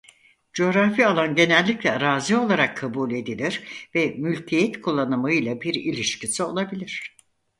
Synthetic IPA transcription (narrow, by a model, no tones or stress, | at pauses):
d͡ʒo̞ɾafialˠanɟe̞nɛlʲːiclʲɛɾaːzio̞lˠaɾakʰːabulʲe̞d̪ilʲiɾvɛmylʲcʰijɛt̪kʰulˠːanɯmaɯjlˠabiɾilʲiʃcʰisio̞lˠabilʲiɾ̝̥